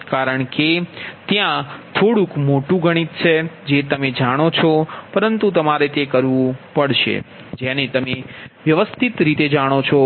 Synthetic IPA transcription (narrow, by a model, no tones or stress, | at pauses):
kaɾəɳket̪jãt̪ʰoɽũkmoʈũɡʱəɽ̃it̪t͡ʃʰed͡ʒet̪əmed͡ʒaɽ̃ot͡ʃʰɔpəɾənt̪ut̪əmaɾet̪ekəɾʋũpəɽʃḛ | d͡ʒɛnet̪əmeʋjəʋəst̪ʰit̪ɾit̪ed͡ʒaɽ̃ot͡ʃʰɔ